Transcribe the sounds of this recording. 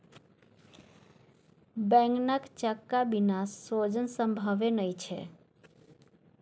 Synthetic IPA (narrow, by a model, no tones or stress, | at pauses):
bɛ̃ŋɡnəkt͡ʃəkːabinasːod͡ʒənsə̃mbʱəʋenəjt͡ʃʰḛ